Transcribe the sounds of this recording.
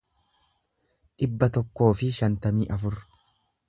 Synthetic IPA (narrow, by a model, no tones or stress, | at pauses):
ᶑɪbːɐt̪ɔkːo̞ːfɪʃɐnt̪ɐmiːʔɐfʊɾ